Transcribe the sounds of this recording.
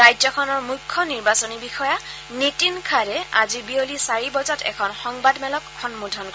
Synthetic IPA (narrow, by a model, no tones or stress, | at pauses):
ajzɔkʰɔnɔɹmujkʰːɔniɹbasɔnibixɔja | nitinkʰaɹɛa̰zibiolisaɹibɔzatɛ̰kʰɔnxɔŋbadmɛlɔkʰːɔnmudʱɔnk